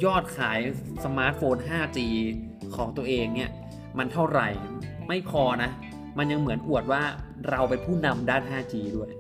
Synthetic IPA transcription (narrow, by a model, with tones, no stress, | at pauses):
jɔː˥˩t̪̚kʰaː˩˦jsa˧maː˦˥t̪̚foː˧nɦaː˥˩t͡ɕiː˧ | kʰɔː˩˦ŋt̪u˧ɐʔeː˧ŋni˦˥˩ɐ | ma˧nt̪ʰa˥˩wɾa̰˨˩jma˥˩jkʰɔː˧na˦˥ | ma˧nja˧ŋmɯ˩˦ənʔu˨˩ət̪̚waː˥˩ | ɾa˧wpe˧npʰuː˥˩na˧mdaː˥˩nɦaː˥˩t͡ɕiː˧du˥˩əj